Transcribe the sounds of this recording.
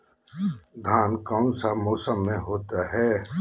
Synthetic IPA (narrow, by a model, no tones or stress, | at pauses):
d̪ʱaːnkaʊnsamoːsəmːẽɦoːt̪aɦɛː